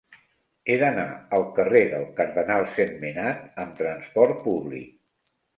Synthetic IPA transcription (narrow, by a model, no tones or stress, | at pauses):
eðənaəlˠkəreðəlˠkəɾðənalˠsemminat̪̚əmt̪ɾənspɔɾt̪̚puβlḭk̚